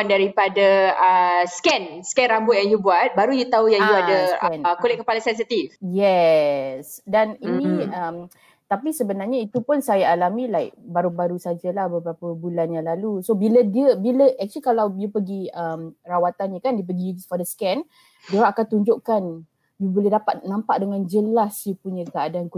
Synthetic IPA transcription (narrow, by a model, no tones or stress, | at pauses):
ndaɾipadaəskɛnskɛnrambʊt̪̚jaŋjubuat̪̚baɾujut̪aujaŋjuadəkɛnkolɪt̚kəpalasɛns̬it̪ifjɛ | sdaninĩəm | t̪apisəbənarɲait̪upʊnsajaːlamĩlajk̚baɾubaɾusad͡ʒəlahbəbɾapəbulanjaŋlalusobilədiəbiləʔɛk̚t͡ʃəlikalawdiəpəɡiəmrawat̪anɲəkandiəp̬əɡifɔdəskɛn | diəakant̪uɲd͡ʒʊʔkan | diəbolɛhdapat̪̚nãmpaʔdəŋãnd͡ʒəlasjəpuɲə̃kəadaank